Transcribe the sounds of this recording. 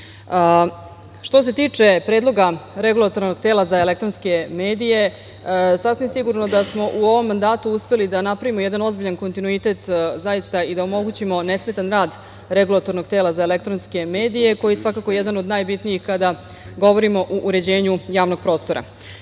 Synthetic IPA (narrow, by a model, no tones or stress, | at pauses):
ʃt̪o̞s̬e̞t̪iːt͡ʂe̞pɾeːd̪lˠo̞ɡaɾe̞ɡulˠat̪o̞ɾnoɡ̚t̪eːlazaele̞k̚t̪ɾonske̞me̞ːd̪ije̞ | sasʋimsiɡuɾno̞d̪asmo̞ʔuo̞ʋo̞mːand̪aːt̪uuspe̞lid̪anapɾaʋimojɛd̪ano̞zbiʎanko̞nt̪inuit̪e̞t̪zajist̪aid̪aomo̞ɡut͡ɕimo̞nesme̞t̪anɾaːd̪ | ɾeɡulˠat̪o̞ɾno̞ɡ̚t̪eːlazaelek̚t̪ɾonske̞me̞ːd̪ije̞ko̞jijsʋakakojed̪ano̞d̪naːjbit̪nijixkad̪a | ɡo̞ʋo̞ɾimo̞ʔuʔːɾe̞d͡ʑe̞ːɲujaːʋno̞ɡ̥̚pɾo̞ːst̪o̞ɾa̰